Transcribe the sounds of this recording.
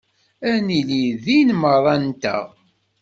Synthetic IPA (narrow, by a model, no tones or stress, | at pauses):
æniliðinməðˤɑnt̪æ̰